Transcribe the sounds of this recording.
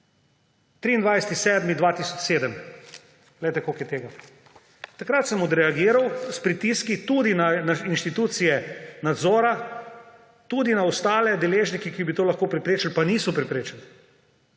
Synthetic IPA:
t̪ɾiːnd̪ʋajsɛ̥t̪isɛːd̪mid̪ʋaːt̪isɔt͡ʃseːd̪əm | ɡlɛjt̪ɛkokjɛt̪eːɡa | t̪akɾat̪səmɔd̪ɾɛaɡiːɾawspɾit̪iskit̪ud̪inanainʃt̪it̪uːt̪sijɛnad̪zɔːɾa | t̪ud̪inaɔst̪aːlɛd̪ɛleːʒnikikibit̪oːlɐxkoːpɾɛpɾeːt͡ʃalpaniːsɔpɾɛpɾeːt͡ʃɛl

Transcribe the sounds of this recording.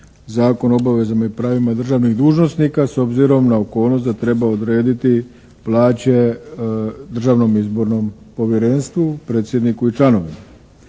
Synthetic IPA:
zaːko̞no̞baʋe̞zamaipɾaːʋimad̪r̩ʒaːʋniɣd̪uːʒno̞snikaso̞bziɾo̞mnaoko̞ːlˠno̞st̪d̪at̪ɾe̞baod̪ɾe̞ːd̪it̪i | plˠaːt͡ɕe̞ | d̪r̩ʒaːʋno̞mizbo̞ɾno̞m | po̞ʋjeɾe̞nst̪ʋupɾeːt̪sje̞d̪nikuit͡ʃlano̞ʋima

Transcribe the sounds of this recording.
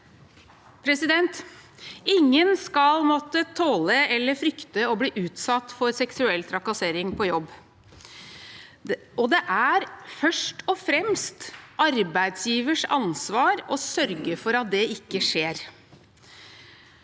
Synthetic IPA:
pʰɾɛsɪd̪ɛnt̪ | ɪŋːənskɑlmɔt̪ːət̪ʰoːləɛlːəfɾʏkt̪əɔbliːʔʉːt̪sɑt̪ːfɔɾsɛksʉɛlt̪ʰɾɑkɑseːɾɪŋpʰɔjɔbː | ɔd̪ɛʔæɾfœʂʈɔfɾɛmst̪ʔɑɾbæɪd̪sjiːʋəʂɑ̰nsʋɑːɾɔsœɾɡəfɔɾɑt̪̚d̪ɛɪkːəʂeːɾ

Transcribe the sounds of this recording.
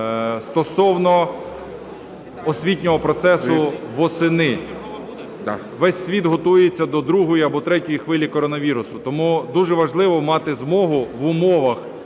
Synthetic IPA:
st̪ɔsɔwnɔ | ɔsʲʋʲitʲnʲɔɦɔpɾɔt̪sɛsʊʋɔsɪnɪ | ʋɛsʲsʲʋʲid̪ɦɔt̪ujet͡sʲːɐd̪ɔd̪ɾuɦɔjiɐbɔt̪ɾɛtʲɔjixʋɪlʲikɔɾɔnɐʋʲiɾʊsʊt̪ɔmud̪uʒɛʋɐʒlˠɪʋɔmɑt̪ɪzmɔɦʊʋʊmɔʋɐx

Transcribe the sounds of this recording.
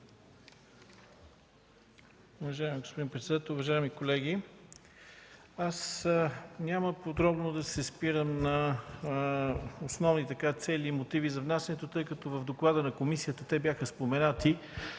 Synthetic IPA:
ʊvɐʒaimiɡospod̪inpɾɛt̪sɛd̪at̪əʊvɐʒaimikolɛɡʲi | as | nʲaməpod̪ɾɔbnod̪ɐsɛspiɾəmnɐ | osnɔvnit̪ɐkat̪sɛlimot̪ivizɐvnasɛnɛt̪ot̪ɤjkɐt̪ɔvəvd̪oklˠad̪ənɐkomisijət̪ət̪ɛbjaxəspomɛnat̪i

